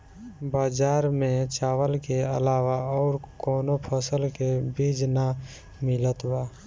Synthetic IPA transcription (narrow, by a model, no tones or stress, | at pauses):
baːd͡ʒaːɾmẽt͡ʃaːwəlkeəlaːʋaɔːɾkɔːnopʰəsəlkebiːd͡ʒna | mɪlət̪baː